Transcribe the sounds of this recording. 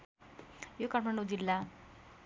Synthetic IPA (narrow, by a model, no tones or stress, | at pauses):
jokaʈmaɳɖod͡zilːa